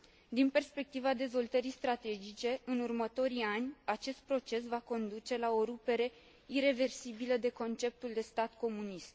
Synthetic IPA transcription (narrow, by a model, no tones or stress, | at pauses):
d̪inpe̞rspe̞k̚t̪ivad̪e̞zvo̞lt̪əɾijst̪ɾat̪e̞d͡ʒit͡ʃe̞ɨnurmət̪o̞ɾianʲat͡ʃe̞st̪̚pɾo̞t͡ʃe̞s̬vako̞nd̪ut͡ʃe̞lao̞ɾupe̞ɾe̞ | iɾe̞ve̞rsibiləd̪e̞ko̞nt͡ʃe̞p̚t̪uld̪e̞st̪at̪ko̞munist̪